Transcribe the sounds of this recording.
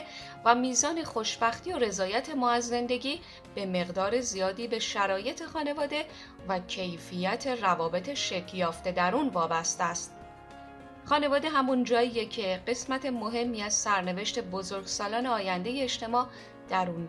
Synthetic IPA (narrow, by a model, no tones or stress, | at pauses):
væmiːzɒːne̞xo̞ʃbæxt̪io̞ɾe̞zɒːjæt̪ʰe̞mɒːæzːe̞nd̪e̞ɟʲiː | b̥e̞me̞ɣd̪ɒːɾe̞zijɒːd̪iːbe̞ʃæɾɒːje̞t̪ʰe̞xɒːne̞vɒːd̪e̞ | væcʰe̞jfijæt̪ʰe̞rævɒːbe̞t̪ʰe̞ʃe̞cʰjɒːft̪e̞d̪æɾuːnvɒːbæst̪eæst̪̚ | χɒːne̞vɒːd̪e̞ɦæmund͡ʒɒːijecʰe̞ɢe̞smæt̪ʰe̞mo̞ɦe̞mːiːæz̥sæɾne̞ve̞ʃt̪e̞bozo̞ɾɡsɒːlɒːneɒːjænd̪e̞je̞ːʃt̪e̞mɒː | d̪̥æɾuːn